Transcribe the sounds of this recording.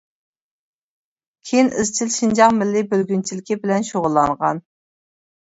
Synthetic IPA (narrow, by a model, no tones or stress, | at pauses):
kʲʰejinʔɪ̰zt͡ʃʰilʃind͡ʒɑʁmɪlːɪbølɡʲynt͡ʃʰilɪkʲibɪlɛnʃoʁʊlˠːɑŋʁɑ̰n